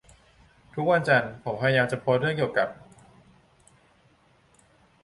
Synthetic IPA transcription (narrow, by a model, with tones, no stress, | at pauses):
t̪ʰu˦˥k̚wa˧nt͡ɕa˧npʰo˩˦mpʰa˧˩ja˧jaː˧mt͡ɕa˨˩pʰoː˧˦˥t̪̚ɾɯ˥˩əŋki˨˩əwka˨˩p̚